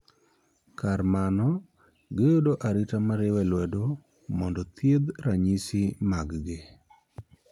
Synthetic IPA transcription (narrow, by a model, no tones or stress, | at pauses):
karmanɔ | ɡejodoʔaɾɪtamaɾɪwɛlwɛdo | mɔndɔt̪jed̪ɾaɲisɪmaɡɡɪ